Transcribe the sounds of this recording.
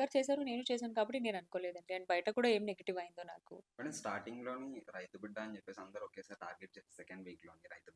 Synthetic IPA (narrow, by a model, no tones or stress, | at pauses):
aːɾt͡ʃeːsaːɾune̞ːnut͡ʃeːs̬aːnukaːbɐʈːine̞ːnɐnukoːleːd̪ɐɳʈiɐnibɐjɐʈɐkuːɽaːe̞ːmineɡeʈiʋɐjind̪oːna̰ːkṵmɐnɐmsʈaːɾʈiŋɡlo̞ːniɾɐjt̪ubiɖːaːnit͡ʃepːeːsiɐnd̪ɐɾuokeːsaːɾʈaːɾɡeʈ̚t͡ʃeːssekɐɳɖʋiːkloːniɾɐjt̪ub